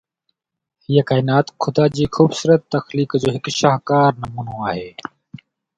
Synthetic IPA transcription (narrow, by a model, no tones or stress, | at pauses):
hijakaːɪnaːt̪kʰʊd̪aːd͡ʑiːxuːbsuːɾət̪ːəxliːkd͡ʒoːɦɪkʃaːɦkaːɾnəmuːnõːaːɦeː